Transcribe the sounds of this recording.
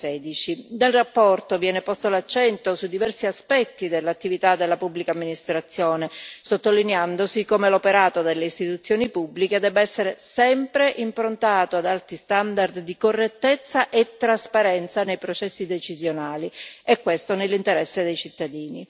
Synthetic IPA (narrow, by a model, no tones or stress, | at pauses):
ɛːd̪it͡ʃinelrapːɔrt̪ovjɛːnepɔst̪olat͡ʃːɛnt̪osud̪ivɛrsiaspɛt̪ːid̪elːat̪ːivit̪ad̪ːelːapubːlikamːinist̪ɾat̪sːjoːnesot̪ːolineand̪osikomelopeɾaːt̪od̪elːeist̪it̪ut̪sːjoːnipubːliked̪ɛːbeɛsːeɾesɛmpɾeʔimpɾont̪aːt̪oad̪alt̪ist̪and̪ard̪ːikorːet̪ːet̪sːaʔet̪ːɾaspaɾɛnt̪sanejpɾot͡ʃɛsːid̪et͡ʃizjonaːliɛkːwest̪onelːint̪eɾɛsːed̪ejt͡ʃit̪ːad̪iːni